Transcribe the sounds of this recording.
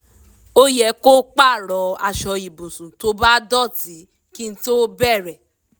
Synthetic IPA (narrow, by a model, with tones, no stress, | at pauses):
o˦jɛ˧˦ko˦k͡pa˦˨ɾɔ˨˧a̰˧˨ʃɔ˧i˨bũ˨sũ˨to˧˦ba˦dɔ˦˨ti˨˦ | kĩ˦˧n̩˦to˦bɛ˦˨ɾɛ˨